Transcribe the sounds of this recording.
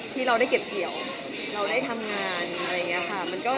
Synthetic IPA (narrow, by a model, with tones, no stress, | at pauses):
t̪ʰiː˥˩ɾa˧wda˥˩jke˨˩p̚ki˨˩əw | ɾa˧wdaː˥˩jt̪ʰa˧mŋaː˧na˧ɾa˧jŋi˦˥ɐ˧xʰa˥˩ma˧nkɔː˥˩